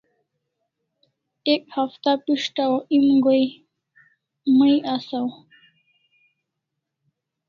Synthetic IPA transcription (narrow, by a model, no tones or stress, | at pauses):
ekhaft̪apiʂʈawʔimɡoj | miʔasaw